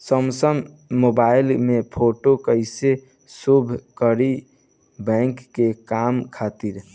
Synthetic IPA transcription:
səmsəmː | obailmepʰoʈokəɪse | subʱkəɾi | bɛ̃ŋkːekamkʰat̪iɾ

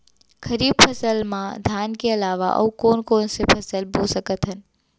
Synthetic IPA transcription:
kʰɐɾiːb̚pʰɐsəlmãd̪ʱaːnkeɐlaːʋa̰ʔɐ̰ukoːnkoːnsepʰɐsəlbosəkət̪ɦən

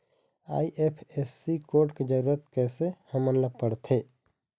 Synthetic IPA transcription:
a̰ːiʔepʰesːikoːɾʈked͡ʒəɾuːɾət̪kɛːsehəmənləɡ̚pəɽt̪ʰeː

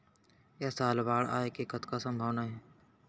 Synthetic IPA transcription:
ɛːsaːlbaːɽa̰ːekekət̪ʰkasəmbʱaːʋnaɦɛː

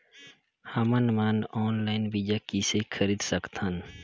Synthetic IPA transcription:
hamənmaːnɔːnlaːɪnbid͡ʒakisekʰəɾiːd̪səkt̪ən

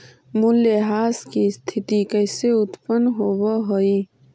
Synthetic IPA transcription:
mʊlːeɦaːskist̪ʰɪt̪ikəɪseʊt̪pənɦoːwaɦoiː

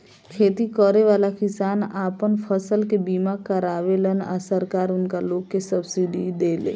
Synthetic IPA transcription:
kʰeːt̪ikɔːɾeʋaːlakɪsaːnaːpənpʰəsəlkebiːmakəɾaːʋeləna̰səɾkaːɾʊnkaloːɡkesəbsiɖid̪eːlḛː

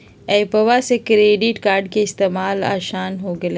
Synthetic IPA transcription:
ɛːpɐʋasekɾeːɖɪʈkaːɾɖkeɪst̪eːmaːla̰ːʃaːnɦoɡɐle

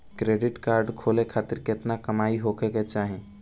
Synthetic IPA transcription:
kɾeːɖɪʈkaːɾɖkʰoːlekʰaːt̪ɪɾkɪt̪nakəmaːiɦokʰeket͡ʃaːɦẽ

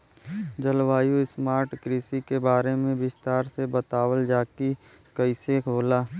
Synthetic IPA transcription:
d͡ʒəlʋaːjuɪsmaːɾʈkɾiːsikebaːɾemẽbɪst̪aːɾsebət̪aːwəld͡ʒaːki | kəɪsekʰoːlaː

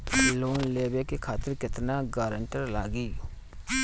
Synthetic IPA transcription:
loːnleːbeːkikʰaːt̪əɾkɪt̪naːɡaːɾəɳʈəɾlaːɡiː

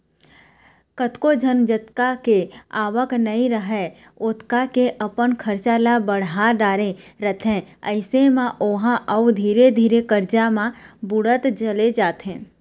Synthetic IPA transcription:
kət̪kod͡ʒʱənd͡ʒət̪kakeaːʋəknəɦĩɾəɦɛ | ʊt̪kakeʔəpənkʰəɾt͡ʃaːlabəɽ̤aɖaːɾeɾət̪ʰɦɛ̃əɪsemãʔoɦãʔɐud̪ʱiːɾed̪ʱiːɾekəɾd͡ʒamãbʊɽət̪d͡ʒəled͡ʒaːt̪ɦɛ̃ː

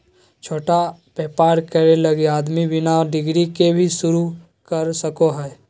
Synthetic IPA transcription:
t͡ʃʰoːʈapeːpaːɾkəɾeləɡeaːd̪mibɪnaɔɖɪɡɾikebʱisʊɾu | kəɾsəkoɦɛː

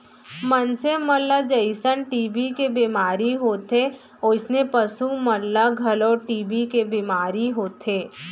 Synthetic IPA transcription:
mənsemɐlːad͡ʒəɪsənʈiːbikebiːmaːɾiɦoːt̪e | ɔɪsnepɐsumɐlːaɡʱɐlɔːʈiːbikebiːmaːɾiɦoːt̪ʰeː

